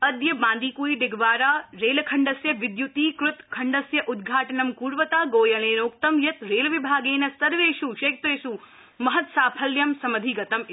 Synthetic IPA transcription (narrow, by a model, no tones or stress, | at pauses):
ɐd̪jɐbãːnd̪iːkuːiɖɪɡʱʋaːɾaːɾeːlkʰɐɳɖɐsjɐʋɪd̪jut̪iːkɾʊt̪kʰɐɳɖɐsjɐʔʊd̪ɡʱaːʈɐnɐmkuːɾʋɐt̪aːɡoːjɐleːnoːk̚t̪ɐmjɐt̪ɾeːlʋɪbʱaːɡeːnɐsɐɾʋeːʃuʃeːk̚t̪ɾeːsu | mɐɦɐt̪saːpʰɐljɐmsɐmɐd̪ʱiːɡɐt̪ɐm